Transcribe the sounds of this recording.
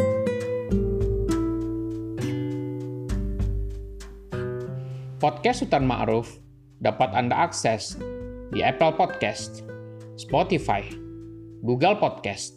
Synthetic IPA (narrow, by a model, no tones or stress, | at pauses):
pɔt̪̚kɛst̪ut̪anma̰ʔɾʊf | dapat̪andaʔaksɛsdiɛpəlpɔd̪̚kɛst̪̚spɔt̪ifa̰j | ɡuɡəlpɔd̪̚kɛst̪̚